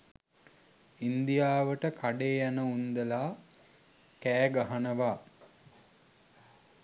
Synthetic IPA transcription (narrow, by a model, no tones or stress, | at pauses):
ind̪ijaːʋəʈəkʰaɖeːjanəund̪əlaː | kæːɡaɦanəʋaː